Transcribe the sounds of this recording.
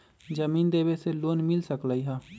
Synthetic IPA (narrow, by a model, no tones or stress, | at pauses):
d͡ʒəmiːnd̪eːbeseloːnmɪlsəkləiɦãː